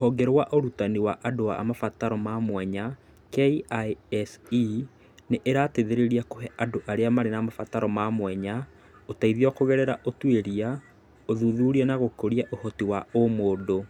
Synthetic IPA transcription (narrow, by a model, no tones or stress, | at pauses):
ohɔɡɛɾwaʔoɾutaniwaʔadoa̰mafataɾɔmamwɛɲa | kɛiaɛsi | neʔeɾaːteðeɾeɾiakoɦɛʔadoʔaɾeamaɾenamafataɾɔmamwɛɲa | otaiðiɔkoɣɛɾɛɾaʔotweɾia | oðuðuːɾiɛnaɣokoɾiaʔohɔtiwaomoːdo